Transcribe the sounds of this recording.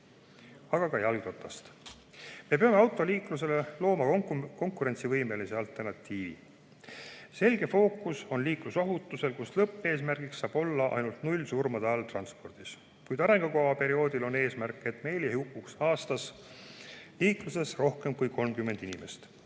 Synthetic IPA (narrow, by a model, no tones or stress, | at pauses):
ɑɡ̥ɑkɑjɑlɡt̪o̞t̪ːˑɑst̪ | me̞peɑme̞ɑwt̪ːˑo̞liːklus̬e̞le̞lo̞ːmɑko̞ŋkˑuɾe̞nsivɤjme̞lise̞ɑlt̪ːˑe̞rnɑt̪ːˑiːvḭ | se̞lʲɡe̞fo̞ːkːˑuso̞nliːkluso̞ɦut̪ːˑuse̞lkuslɤpːe̞ːs̬mærɡ̥iksːɑːb̥o̞lːɑʔɑ̰jnult̪nulʲsurmɑd̪̥ɑɑlt̪rɑnspo̞rd̪̥is | kujd̪ɑɾe̞ŋɡ̥ɑkoɑpe̞ɾio̞ːd̪̥ilo̞ne̞ːsmærkːˑe̞t̪ːˑme̞jljehiukˑːuksɑːst̪ɑs | liːkluse̞sro̞hkemkujkʰo̞lmkymːe̞nd̪̥inime̞st̪